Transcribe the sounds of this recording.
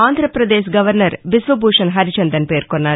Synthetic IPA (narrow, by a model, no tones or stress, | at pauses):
aːnd̪ʱɾɐpɾɐd̪eːʃ̬ɡɐʋɐɾnɐɾʋisʋɐbʱuːʂɐnɦɐɾit͡ʃɐnd̪ɐnpe̞ːɾkonːaːɾ